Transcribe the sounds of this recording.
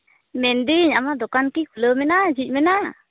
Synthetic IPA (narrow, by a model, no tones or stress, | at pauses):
mɛnd̪iɲamad̪ɔkankikʰuləmɛnad͡ʒic̚ˀmɛna